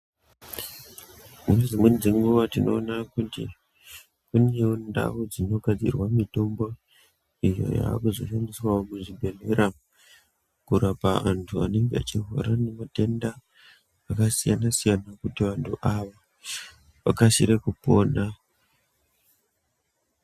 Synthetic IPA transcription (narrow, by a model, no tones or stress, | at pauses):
munezimwend͡zeŋɡuʋatino̞ːnakutḭ | kuneonda̰ud͡zino̞ɡʱad͡zḭrwamito̞mbo̞ | ijo̞̰ja̰ːkuzo̞̰ʃandiswaomuʐibʱeleɾʔam | kuɾapaantʰuane̞ŋɡea̰t͡ʃiɦo̰ɾanemate̞ndaː | kasijanasijanakutiʋantʰuʔaʋa | ʋa̰kasiɾekupo̞ːna